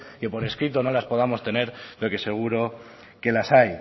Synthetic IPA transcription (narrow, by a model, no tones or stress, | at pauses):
ke̞po̞ɾe̞skɾit̪o̞no̞laspo̞ð̞amo̞st̪e̞ne̞ɾloke̞se̞ɣ̞uɾo̞ | ke̞lasaj